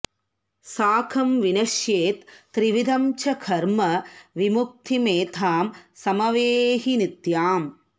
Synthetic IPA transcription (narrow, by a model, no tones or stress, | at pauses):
saːkʰɐmʋinɐʃjeːt̪ːɾiʋid̪ʱɐmt͡ʃʰɐkʰɐɾmɐʋimuk̚t̪ʰimeːt̪ʰaːmsɐmɐʋeːɦinit̪jaːm